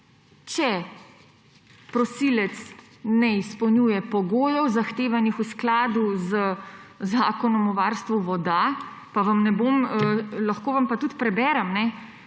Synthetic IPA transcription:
t͡ʃɛ | pɾɔsiːlɛt̪s | nɛispɔwnjuːjɛpɔɡoːjɔwzaxt̪eːʋanixusklaːd̪uzəzaːkɔnɔmɔʋaːɾst̪ʋuʋɔd̪a | paʋɐmnɛboːməlaxkoːʋampat̪ut̪pɾɛbɛːɾɐmnɛ

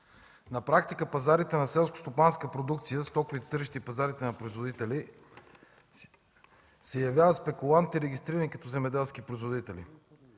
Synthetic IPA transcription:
nɐpɾakt̪ikəpɐzaɾit̪ɛnɐsɛlˠsko̥st̪opanskəpɾod̪uk̚t̪sijəst̪ɔkʊvit̪t̪ɤɾiʃt̪ipɐzaɾit̪ɛnɐpɾoizvod̪it̪ɛli | sɛjɐvʲjavət̪spɛkulˠant̪iɾɛɡʲist̪ɾiɾənikɐt̪ɔzɛmɛd̪ɛlˠskipɾoizvod̪it̪ɛlḭ

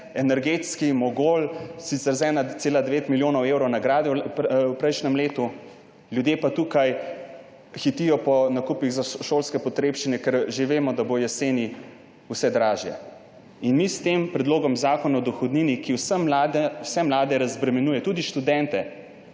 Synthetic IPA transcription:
ɛnɛɾɡet̪skimɔɡolsit̪sɛɾzɛːnaseːlad̪ɛʋeːt̪miljoːnɔwewɾɔwnaɡɾaːd̪ɛwpɾɛjʃnɛmleːt̪u | ljud̪jeːpat̪ukaj | xit̪ijɔpɔnakupiɣzaʃoːlskɛpɔt̪ɾeːpʃt͡ʃinɛkɛɾʒeʋeːmɔd̪abojɛseːni | usɛd̪ɾaːʒjɛ̰ | inmist̪empɾɛd̪loːɡɔmzaːkɔnaɔd̪ɔxɔd̪niːnikiwsmd̪wsɛmlaːd̪ɛɾazbɾɛmɛnuːjɛt̪ud̪iʃt̪ud̪ɛnt̪ɛ

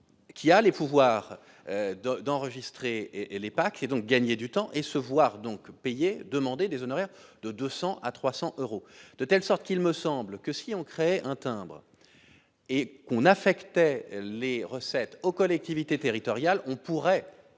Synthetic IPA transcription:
kʲʰialepuvwaʁ | ød̪d̪ɑ̃ʁəʒist̪χelepaked̪ɔ̃k̚ɡaɲed̪yt̪ɑ̃ʔesəvwaʁd̪ɔ̃kpejed̪əmɑ̃d̪ed̪ezɔnɔʁɛʁd̪̥əd̪øsɑ̃ʔat̪χwasɑ̃ʔøʁod̪̥ət̪ɛlsɔʁt̪kʲilməsɑ̃blkəsiɔ̃kχeɛʔɛ̃t̪ɛ̃bʁ | ekɔ̃nafɛkt̪ɛleʁəsɛt̪okɔlɛk̚t̪ivit̪et̪eʁit̪ɔʁjalɔ̃puʁɛ

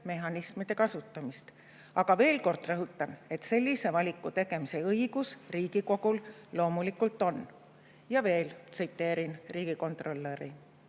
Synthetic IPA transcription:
me̞ɦɑnismid̪̥e̞kɑsut̪ːˑɑmist̪ | ɑɡ̥ɑve̞ːlko̞rd̪̥rɤɦut̪ːˑɑne̞t̪se̞lʲːise̞vɑlʲikːˑut̪e̞ɡ̥e̞mise̞ɤiɡ̥usriːɡ̥iko̞ɡ̥ullo̞ːmulikult̪ːˑo̞n | jɑve̞ːlt̪sɨjt̪ːˑe̞ːɾinriːɡ̥iko̞nt̪ˑro̞lːe̞ɾi

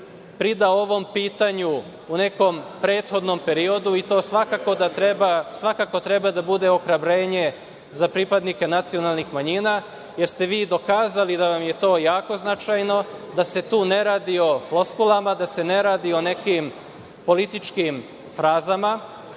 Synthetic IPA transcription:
pɾid̪ao̞ʋo̞mpiːt̪aɲu | une̞ko̞mpɾe̞ːt̪xo̞d̪no̞mpe̞ɾio̞d̪uit̪o̞ːsʋakakod̪at̪ɾebasʋakako̞t̪ɾe̞bad̪abud̪e̞o̞xɾabɾe̞ːɲe̞ | zapɾipad̪nike̞nat̪sijo̞nalˠnixmaɲiːna | jeɾst̪e̞ʋiːd̪o̞kaːzalid̪aʋamje̞t̪o̞ːjaːko̞znat͡ʃajno̞d̪ase̞t̪uːne̞ɾaːd̪io̞floskulˠamad̪ase̞ne̞ɾaːd̪io̞ne̞kim | po̞lit̪it͡ʃkim | fɾaːzama

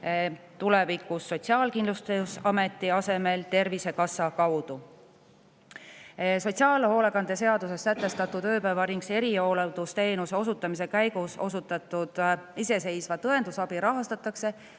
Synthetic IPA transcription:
t̪ulevikːˑusːo̞t̪siɑːlkind̪lust̪usɑme̞t̪ːˑiɑse̞me̞lt̪e̞rvise̞kɑsːɑkɑwd̪̥u | so̞t̪ʲsiɑːlho̞ːlekɑnd̪̥e̞se̞ɑd̪use̞sːæt̪ːˑe̞st̪ɑt̪ːˑud̪ø̞ːpævɑɾiŋkse̞ɾio̞ːled̪̥ust̪e̞ːnuseo̞sut̪ːˑɑmise̞kæjɡuso̞sut̪ːˑɑt̪ːˑud̪̥ise̞se̞jsvɑt̪ɤe̞nd̪usɑb̥iɾɑɦɑst̪ɑt̪ːˑɑkse̞

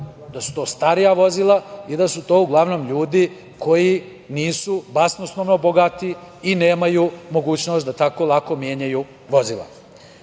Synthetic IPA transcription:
d̪asu̥t̪o̞ːst̪aɾijaʋo̞zilˠaid̪asut̪o̞ːuɡlˠaʋno̞ːmʎuːd̪i | ko̞ji | niːsubasnosnoʋnoboɡat̪iine̞ːmajumo̞ɡuːt͡ɕno̞st̪d̪at̪ako̞lˠako̞mje̞ːɲaju | ʋo̞zila̰

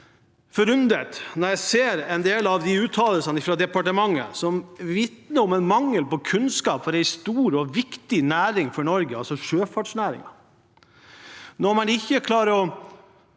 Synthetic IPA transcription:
fɔɾʉnd̪ət̪nɔɾjæɪseːɾɛnd̪eːlɑʋd̪ɪʉːt̪ʰːɑːləlsɑnəɪfɾɑd̪ɛpɑʈəmɑŋːə̰sɔmʋɪt̪nəɾɔmɛnmɑŋːəlpɔkʰʉnskɑːpfɔɾæɪst̪uːɾɔʋɪkt̪ɪnæːɾɪŋfɔɳɔɾɡəɑlsɔʂøːfɑʈʂnæːɾɪ̰ŋɑ | nɔmɑnɪçːəkʰlɑːɾəɔ

